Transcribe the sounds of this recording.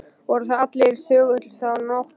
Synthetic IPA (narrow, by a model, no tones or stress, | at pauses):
vɔɾʏθaðat̪leɾ̥sœːɣʏt̪lsaðnɔx